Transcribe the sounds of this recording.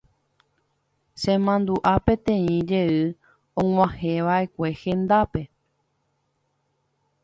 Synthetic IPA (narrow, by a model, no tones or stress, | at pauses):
sẽ̞mãnd̪uʔapẽ̞t̪ẽĩd͡ʒe̞ɨ | õŋwãhẽʋaʔe̞kʷe̞hẽ̞nd̪ape̞